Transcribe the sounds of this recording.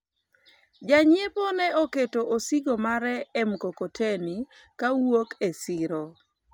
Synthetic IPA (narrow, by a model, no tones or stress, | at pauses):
d͡ʒaɲeponɛoketoʔosiɡomaɾɛːmkokotʰeni | kawokesɪɾo